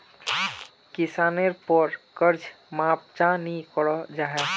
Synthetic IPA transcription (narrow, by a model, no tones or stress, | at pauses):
kisaːneɾpɔɾkəɾd͡ʒ | map̚t͡ʃãnikɔɽɔd͡ʒaɦɛ